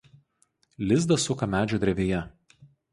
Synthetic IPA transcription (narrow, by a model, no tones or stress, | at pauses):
lʲɪzd̪ɐsʊkɐmʲæːd͡ʒʲuːd̪ʲɾʲɛʋʲeːjɛ